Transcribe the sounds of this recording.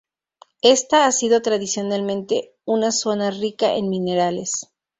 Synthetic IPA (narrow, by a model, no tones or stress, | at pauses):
e̞st̪aasiðo̞t̪ɾaðisjo̞nalmẽ̞nt̪e̞ | unaso̞narikaʔḛnmĩne̞ɾale̞s